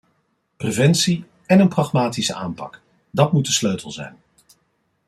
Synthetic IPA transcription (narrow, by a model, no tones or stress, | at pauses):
prevɛnsi | ɛnənprɑχmaːtisə̰ʔa̰ːmpɑ̰k | dɑtmutdəsløɥtʰəlˠzɛ̰jn